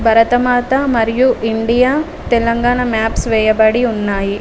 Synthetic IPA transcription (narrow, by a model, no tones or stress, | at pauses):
bʱɐɾɐt̪ɐmaːt̪ɐmɐɾjuʔiɳɖijaː | t̪elɐŋɡaːɳɐmaːpsʋeːjɐbɐɽiunːaːji